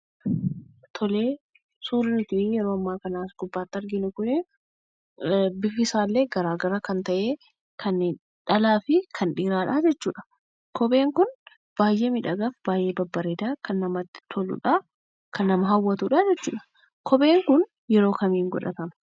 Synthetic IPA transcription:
t̪ʰɔle̞ː | suːɾɪnʊt̪iːjɛɾo̞ːɐmːaːkɐnaːsɡʊbːaːt̪ːɐɾɡɪnʊkʊnɪ | bɪfɪsaːlːeːɡɐɾaːɡɐɾɐkɐnt̪ɐʔeː | kʰɐnːeːn | ᶑɐlaːfɪkʰɐnᶑiːɾaːᶑaːd͡ʒɛt͡ʃːuːᶑɐ̥ | kɔbe̞ːŋkʊn | b̥aːjʔeːmɪᶑɐɡɐfb̥aːjʔe̞ːbɐbːɐɾeːd̪aːkɐnːɐmɐt̪ːt̪ʰɔlʊ̰ᶑɐ | kɐnːɐmɐɦɐwːɐt̪uːᶑaːd͡ʒɛt͡ʃːṵːᶑɐ̥ | kʰɔbe̞ːŋkʊn | jɛɾo̞ːkɐmiːŋɡɔ̰ᶑɐ̰t̪ɐmɐ

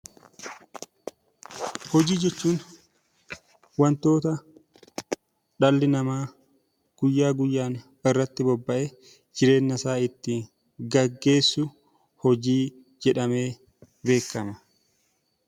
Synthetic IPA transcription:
hɔd͡ʒiːd͡ʒɛt͡ʃːuːn | wɐnt̪o̞ːt̪ɐ | ᶑɐlːɪnɐmaː | ɡ̥ʊjːaːɡʊjːaːn | ɪrːɐt̪ːɪbɔbːɐʔe | d͡ʒɪɾe̞ːnːɐsaːɪt̪ːɪ | ɡɐɡːe̞ːsːʊ | hɔd͡ʒiː | d͡ʒɛᶑɐme̞ː | be̞ːkːɐnɐ

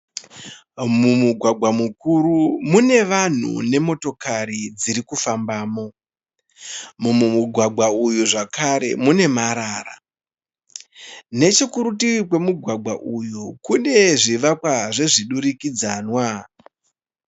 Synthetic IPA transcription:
mumuɡʱwaɡʱwamukuɾumune̞ʋan̤ṵne̞mo̞to̞kaɾid͡ziɾikufambaːmo̞ | mumumuɡʱwaɡʱwaujuʐakaɾe̞̰mune̞maɾaːra̰ | ne̞t͡ʃekuɾutikwe̞muɡʱwaɡwaʔujukune̞ʐiʋakwaʐeʐiɗuɾikid͡zanwa

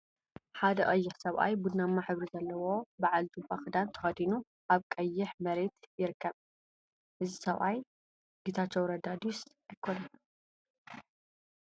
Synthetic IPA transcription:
ħad̪ɐʔʼɐjːɪħsɐβʔa̰jbud̪namːaħɨβɾizɐlːɐwo̞baʕalzubʼaxɨd̪ant̪ʰɐ̥xɐd̪inu | ʔaβkʼɐjːɪħmɐɾe̞t̪jɪɾɨkʰːɐβ | ʔɨzisɐβʔaj | ɡit̪ʰat͡ʃːɛwɾɐd̪ad̪us | ajkʰːonɐn

